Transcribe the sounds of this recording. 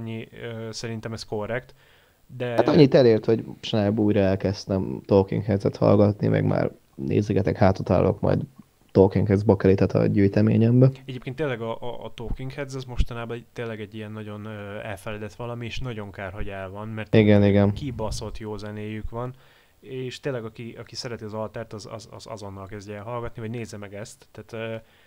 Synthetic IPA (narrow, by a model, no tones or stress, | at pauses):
ɲːiøsɛɾint̪ɛmɛsko̞rːɛkt̪ | d̪ɛhat̪ɒɲːit̪ɛleːrt̪ho̞ɟʃnaːbuːjɾɒɛlkɛst̪ɛmt̪okḭŋkhɛd̪zɛt̪hɒ̰lɡɒt̪nḭmʔɛ̰ɡma̰ːr | nʔḛːzɛɡɛt̪ɛkhaːt̪ot̪a̰ːlo̰kmɒ̰jd̪ | t̪oːkiŋkhɛzbɒkɛlit̪ɛt̪ɒ̰ɟyjt̪ɛmḛːɲɛmbɛɛɟeːpkent̪ːeːlːɛɡɒʔːt̪oːkiŋkhɛd̪zɛzmo̞ʃt̪ɒnaːbɒɛt̪eːlːɛɡɛɟːijɛnːɒɟo̞nøːɛlfɛlɛd̪ɛt̪ʋɒlɒmieːʃnɒɟo̞ŋkaːrɦo̞ɟɛlvɒnmɛrt̪iɡɛniɡɛnkibɒso̞lt̪joːzɛneːjykʋɒn | eːʃt̪eːnlːɛɡɒkiʔɒkisɛɾɛt̪iɒzɒlt̪ɛːrt̪ɒzɒ̰zɒ̰zɒ̰zo̞nːɒlkɛzɟɛɛlɦɒlɡɒt̪nivɒɟneːzːɛmɛɡɛst̪ːaːt̪øː